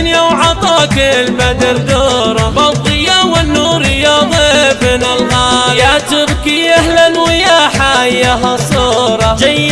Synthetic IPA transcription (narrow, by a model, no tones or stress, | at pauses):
njawʕɑt̪ˤɑːkɪlmad̪ɪɾd̪oːɾˤɑbɑt̪ˤɨjawɪnːuːɾɪjɑːðˤɨbnɪlɣaːjat̪ɪbkiʔahlanwɪjaħajaɦɑsˤoːɾˤɑd͡ʒajː